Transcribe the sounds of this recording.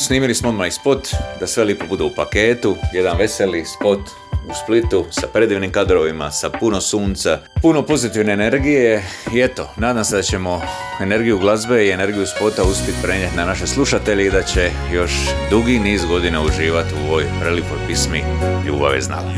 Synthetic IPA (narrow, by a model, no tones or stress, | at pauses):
sniːmilismood̪maispo̞t̪d̪asʋe̞ljepo̞bud̪eupake̞ːt̪uje̞d̪anʋe̞selispo̞t̪ | usplit̪usapɾe̞d̪iːʋnimkad̪ɾo̞ʋima̰sapuno̞suːnt̪sapuno̞po̞zit̪iʋne̞ːne̞ɾɡijeie̞t̪o̞naːd̪amse̞d̪at͡ɕe̞mo̞ | ene̞ɾɡijuɡlˠazbe̞iene̞ɾɡijuspo̞t̪auspjet̪pɾe̞ɲet̪ʲnanaʃe̞slˠuʃat̪e̞ʎeid̪at͡ɕe̞ | jo̞ʃd̪uɡiniːzɡo̞d̪inauʒiːʋat̪uoʋojpɾelipoɾpismi | ʎṵːba̰ʋḛzna̰l